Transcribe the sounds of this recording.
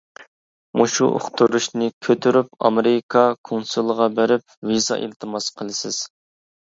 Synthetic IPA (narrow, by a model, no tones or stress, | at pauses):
moʃuʔo̰χt̪ʰuɾuʃnɪkʲʰøt̪ʰyɾyp̚ɑ̰meɾɪkʰɑkʰonsulˠəʁɑbæɾɪp̚ | vizɑ̰ʔḭlt̪ʰɨmɑsqʰəlˠɨsɪz̥